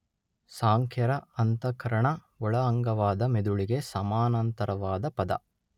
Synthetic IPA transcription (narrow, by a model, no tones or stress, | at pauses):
saːŋkʰjɐɾɐɐnt̪ɐkɐɾɐɳɐ | ɔɭɐɐŋɡɐʋaːd̪ɐmed̪uɭiɡesɐmaːnɐnt̪ɐɾɐʋaːd̪ɐpɐd̪ɐ̰